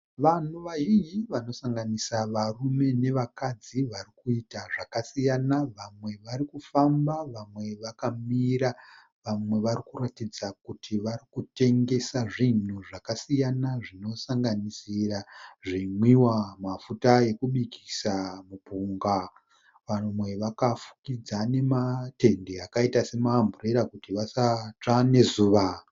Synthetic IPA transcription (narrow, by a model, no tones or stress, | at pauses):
ʋan̤uʋaɦijiʋano̞saŋɡanisaʋarume̞ne̞ʋakad͡ziʋarikuitaʐakasijanaʋamwe̞ʋaɾikufambaʋamwe̞ʋakamiɾa | ʋamwe̞ʋarikuratid͡zakutʰiʋarikute̞ŋɡe̞saʐin̤uʐakasijanaʐino̞saŋɡanisiraʐimwiwamafutaje̞kuɓikʰi̥samupuːŋɡa | ʋamwe̞ʋakafu̥kid͡zane̞mate̞ndeakaitase̞maːmbureɾakutiʋasat͡ʂane̞zuːʋa